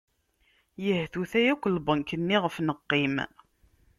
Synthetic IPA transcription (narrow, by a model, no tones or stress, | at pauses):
jəhθuθæjækʷːəlbənkːənːiʁəfnəqːim